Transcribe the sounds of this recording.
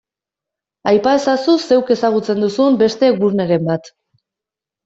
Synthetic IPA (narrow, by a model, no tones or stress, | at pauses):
ajpae̞sasuse̞wke̞saɣ̞ut͡se̞nd̪usumbe̞st̪e̞ɡuɾne̞ɾe̞mbat̪